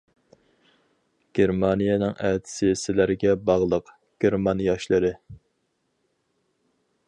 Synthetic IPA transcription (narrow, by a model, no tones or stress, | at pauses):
ɡ̥ʲeɾmɑnijɛnɨŋʔɛt̪ʰɪ̥sɪsɪlæɾɡʲɛbɑʁlˠəq | ɡ̥ʲeɾmɑnijɑʃlˠɨɾɨ